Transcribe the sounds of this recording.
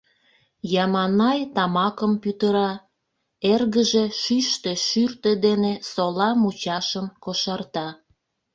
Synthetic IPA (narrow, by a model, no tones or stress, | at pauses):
jɑmɑnɑjt̪ɑmɑkəmpyt̪əɾɑ | erɣəʒeʃyʃt̪eʃyrt̪ed̪enesolɑmut͡ɕɑʃəmkoʃɑrt̪ɑ